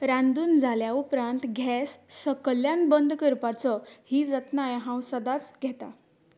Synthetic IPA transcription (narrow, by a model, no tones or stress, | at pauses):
ɾãnd̪uːnd͡zʱaljaupɾãnt̪ɡʱɛsːəkəljanbənd̪kəɾpat͡sɔhiːd͡zət̪najɦãwsəd̪at͡sɡʱɛt̪a̰